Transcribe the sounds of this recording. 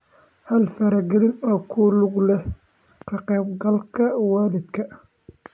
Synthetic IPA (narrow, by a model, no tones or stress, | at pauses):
hɐlfɐɾɐɡɛɾɪnɔːkʰʊlʊɡlɛ | qʰɐqɛːbɡɐlkʰɐwɑːlɪd̪kʰɐ